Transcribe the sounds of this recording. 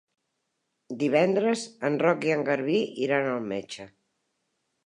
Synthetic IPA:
d̪iβ̞ɛnd̪ɾəzənrɔkiəŋɡəɾβiʔiɾanəlˠmet͡ʃə

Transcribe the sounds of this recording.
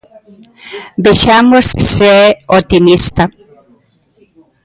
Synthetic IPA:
beʃamosseɛot̪imist̪a

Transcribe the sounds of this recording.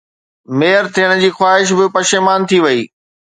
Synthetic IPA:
meːəɾt̪ʰiːəɽ̃ə̆d͡ʑiːxwaːɦɪʃ̬bɪpɐʃemaːnt̪ʰiʋɐiː

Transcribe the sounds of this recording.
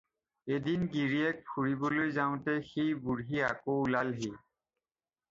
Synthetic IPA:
edinɡiɹiɛk̚pʰuɹibɔlojzaʊ̃tɛxejbuɹɦiakolalɦi

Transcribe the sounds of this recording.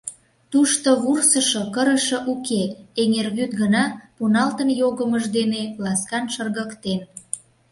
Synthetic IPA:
t̪uʃt̪oβursəʃokəɾəʃə̆ʔukeeŋerɣyt̪ɡənɑpunɑlt̪ənjoɣəməʒd̪enelɑskɑnʃərɣəkt̪en

